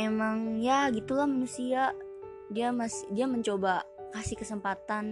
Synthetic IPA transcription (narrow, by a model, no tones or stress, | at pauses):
emaŋjaɡit̪ulahmanusia | diamasdiaməɲt͡ʃoba | kasihkəsəmpat̪an